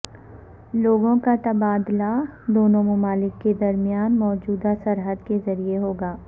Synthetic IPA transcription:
loːɡõkat̪ɐbaːd̪lad̪oːnõmʊmaːlɪkːed̪ɐɾmijaːnmɔːd͡ʒuːd̪asɐɾɦəd̪kezɐɾieɦoːɡaː

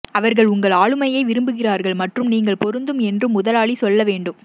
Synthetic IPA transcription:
ɐʋɐɾɣɐɭʊŋɡɐɭaːɻɯmɐjɐɪʋɪɾɯmbɯɣɪraːɾɣɐɭmɐʈrɯmniːŋɡɐɭpɔɾɯnd̪ɯmɛndrɯmʊðɐlaːɭisɔlːɐʋeːɳɖɯm

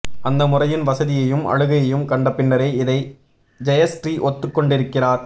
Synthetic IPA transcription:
ʔɐnd̪ɐmʊrɐjɪnʋɐsɐðɪjɐjɯmɐ̰ɻɯɣɐjɐjɯmkɐɳɖɐpːɪnːɐɾɐɪɪðɐɪ | d͡ʒɐjɐsʈriʔɔt̪ːɯkːɔɳɖɪɾɯkːɪraːɾ

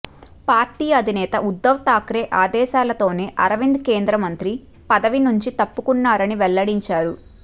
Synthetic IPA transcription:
paːɾʈiːɐd̪ʱinɛːt̪ɐʔud̪ːɐʋt̪aːkɾeːʔaːd̪ɛːʃaːlɐt̪o̞ːne̞ːʔɐɾɐʋind̪keːnd̪ɾɐmɐnt̪ɾi | pɐd̪ɐʋinuɲt͡ʃit̪ɐpːukunːaːɾɐniʋɛlːɐɽiɲt͡ʃaːɾu

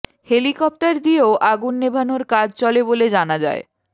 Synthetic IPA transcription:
helikɔp̚ʈaɾd̪ieoʔaɡunːebʱanoɾkad͡ʑʱt͡ɕɔleboled͡ʑanad͡ʑa̰ḛ

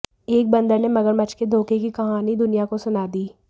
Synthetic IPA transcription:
eːk̚bɐ̃nd̪əɾnemɐɡəɾmɐt͡ʃked̪ʱoːkekikɐɦaːnid̪ʊnijakosʊnaːd̪iː

